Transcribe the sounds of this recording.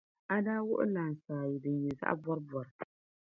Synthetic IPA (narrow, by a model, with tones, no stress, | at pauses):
a˦daː˦wʊ˦ʔʊ̰˦laː˨n̩˨saː˨ji˨dɨ˨nɲɛ˨za̰˦ʔbɔ˦ɾɨ˦bɔ˨ɾɨ˨